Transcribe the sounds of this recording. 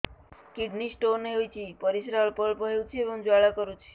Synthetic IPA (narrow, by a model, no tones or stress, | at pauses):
kiɖnisʈoneut͡ʃʰipəɾisɾaɭpɔɭpəɦewt͡ʃʰiebəŋd͡ʒaɭakɔɾut͡ʃʰi̥